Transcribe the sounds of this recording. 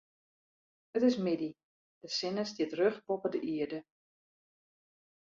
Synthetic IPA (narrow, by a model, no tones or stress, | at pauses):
ətɪsmɪdi | d̥əsɪnəsdiətrøχpɔpədəʔiədə